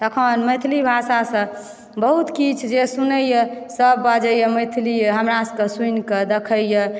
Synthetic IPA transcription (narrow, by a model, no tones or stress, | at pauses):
t̪əkʰənməjt̪ʰilibʱasasə̃ | bəɦut̪kit͡ʃʰd͡ʒesunəjəsəbːad͡ʒəjəməjt̪ʰlijɦəmɾaskəsuinked̪ekʰəjə